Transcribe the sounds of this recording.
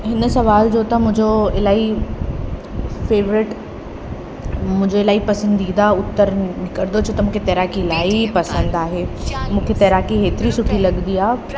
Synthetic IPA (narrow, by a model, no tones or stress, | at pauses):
ɦɪnsɐʋaːld͡ʑoːt̪ɐmʊ̃ɦɪ̃ɲd͡ʑoɪlaːi | feːʋɾɪʈ | mʊ̃ɦɪ̃ɲd͡ʑoɪlaːipɐsə̃nd̪iːd̪aʊt̪ːəɾnɪkəɾd̪ot͡ɕʰot̪ɐmũːkʰet̪ɛːɾaːkiɪlaːipɐsə̃nd̪aːɦeːmũːkʰet̪ɛːɾaːkiɦeːt̪ɪɾisʊʈʰilɐɠnd̪iːaː